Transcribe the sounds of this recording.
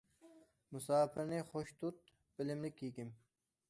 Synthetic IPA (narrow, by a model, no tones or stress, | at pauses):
musaːpiɾnexoɕt̪ut̪̚ | pilimnikːiːkim